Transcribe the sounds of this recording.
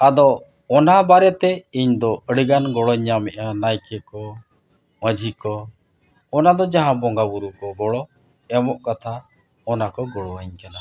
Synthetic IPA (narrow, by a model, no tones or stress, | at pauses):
ad̪ɔ | ɔnabaɾɛt̪ɛiɲd̪ɔəɽiɡanɡɔɭɔɲːamɛʔanajkɛkɔ | məd͡ʒʱikɔ | ɔnad̪ɔd͡ʒaɦãbɔŋɡabuɾukɔɡɔɽɔɛmɔʔkat̪ʰa | ɔnakɔɡɔɭɔaɲkana